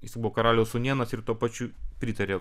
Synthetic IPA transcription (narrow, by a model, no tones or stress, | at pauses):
jɪsʲbuʋɔkɐɾɑːlʲɛʊsʊnʲiɛnɐsɪɾt̪uɔpɑt͡ʃʲupʲɾʲiːt̪ɐɾʲeː